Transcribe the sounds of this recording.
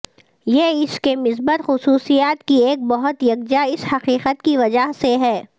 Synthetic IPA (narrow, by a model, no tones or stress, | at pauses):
jeːɪskemɪsbət̪xʊsuːsijaːt̪kieːk̚bɐɦʊt̪jɐk̚d͡ʒaɪshɐqiːqət̪kiʋɐd͡ʒaɦseɦɛː